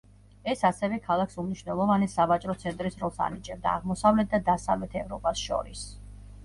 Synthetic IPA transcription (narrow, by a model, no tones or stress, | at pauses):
ɛsasɛvɛkʰalˠaksumniʃvnɛlˠɔvanisavat͡ʃʼɾɔt̪sʰɛnt̪ʼɾisɾɔlˠsa̰nit͡ʃʼɛb̚d̪a̰ːʁmɔsavlɛt̪̚d̪ad̪asavlɛt̪ʰɛvɾɔpʼasʃɔ̰ɾis